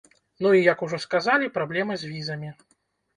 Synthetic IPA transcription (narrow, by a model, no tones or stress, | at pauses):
nuijɐkuʐɔskazalʲipɾablʲɛmɨzʲvʲizɐmʲi